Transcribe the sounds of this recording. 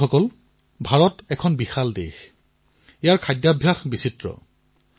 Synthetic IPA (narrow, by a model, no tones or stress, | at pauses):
ɔkɔl | bʱaɹɔtɛkʰɔnbixaldḛx | ijaɹkʰajdjabʱjaxbisitɹɔ̰